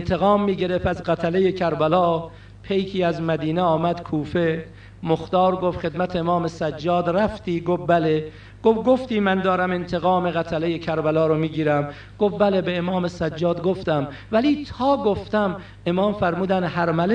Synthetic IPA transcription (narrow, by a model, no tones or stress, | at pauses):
nt̪ʰeɣɒːmːiːɡe̞ɾe̞fæzɣæt̪ʰælejekʰæɾbælɒː | pʰe̞jkʰiːæzmæd̪iːneɒːmæd̪̥kʰuːfe | moxt̪ɒːɾɡofxe̞d̪mæt̪ʰeemɒːme̞sæd͡ʒːɒːd̪ɾæft̪iːɡofbæle̞ | ɡ̥ofɡoft̪iːmænd̪ɒːɾæme̞nt̪ʰeɣɒːme̞ɣæt̪ʰæle̞jekʰæɾbælɒːɾomiːɡiːɾæm | ɡ̥ofbælebeːmɒːme̞sæd͡ʒːɒːd̪ɡoft̪æm | væliːt̪ʰɒːɡoft̪æm | e̞mɒːmfæɾmuːd̪ænhæɾmæle